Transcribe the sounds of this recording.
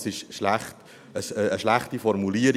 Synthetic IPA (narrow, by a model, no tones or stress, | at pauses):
sɪʃʃlæχt | əsəəʃlæχtifɔrmuliəɾ